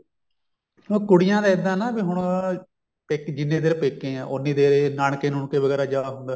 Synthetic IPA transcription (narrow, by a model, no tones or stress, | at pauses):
oːkʊɽɪjãːd̪aːɪd̪ãːnaːbiːɦʊɳ | peːkd͡ʒɪnːẽːd̪eːɾpeːkːẽːãːʔʊnːĩːd̪eːɾeːnaːɳkeːnʊɳkeːʋəɡɛːɾaːd͡ʒaːɦʊnd̪aː